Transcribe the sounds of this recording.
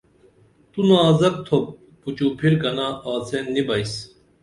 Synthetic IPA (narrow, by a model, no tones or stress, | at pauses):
t̪unaːzɐk̚t̪ʰop̚ː | ut͡ɕuːpʰiɾkɐnaʔaːt͡sʰenːibɐis